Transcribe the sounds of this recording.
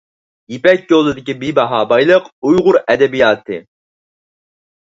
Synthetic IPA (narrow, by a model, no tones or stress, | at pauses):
jepɛkʲjolˠːɨd̪ɪkʲibibɑɦɑːbɑjlˠəqujʁʊɾɛd̪ɛbijɑːt̪ʰɨ